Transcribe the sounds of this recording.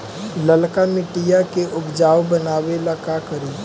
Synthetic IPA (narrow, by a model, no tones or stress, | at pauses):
lɐlkamɪʈijakeʔʊbd͡ʒaːwbənaːwelakakəɾiː